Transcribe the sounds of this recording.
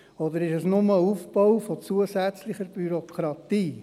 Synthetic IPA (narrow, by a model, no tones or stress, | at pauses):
ɔd̪əɾɪʃɛsnʊməufb̥ɔwfɔt͡suəsæt͡slɪχəɾb̥yɾɔkʰɾɑt̪iː